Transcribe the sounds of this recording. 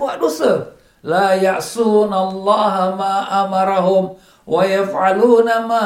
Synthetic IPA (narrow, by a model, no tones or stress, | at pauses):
aʔdusə | laːjaʕsuːnalˤːaːɦamaːʔamɑɾˤɑɦʊm | wajafʕaluːnamaː